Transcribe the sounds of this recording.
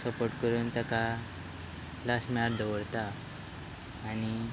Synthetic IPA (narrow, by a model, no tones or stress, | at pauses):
səpoʈkəɾuːnt̪əka | lasmɛaɾd̪əʋəɽt̪a | ñi